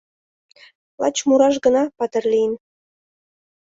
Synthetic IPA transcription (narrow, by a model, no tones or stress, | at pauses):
lˠɑ̰t͡ɕmuɾɑʃɡə̆nɑpɑt̪ə̆rlʲin